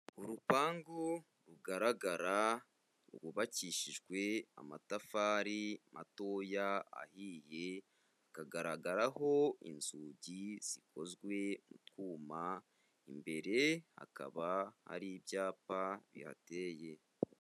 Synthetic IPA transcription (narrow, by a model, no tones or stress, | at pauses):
uɾupaːŋɡo | ɾuɡaɾaɡaɾa | ṵɾɡuβaciːʃiʒɡwe̞a̰matafaːɾimʔato̞jaa̰hiːje̞ | akaɡaɾaɡaɾaɦo̞ḭnzuːɟiz̥iko̞zɡwe̞mutkuːma | imbe̞ɾe̞ha̰ka̰βaha̰ɾibjaːpaβḭha̰te̞je̞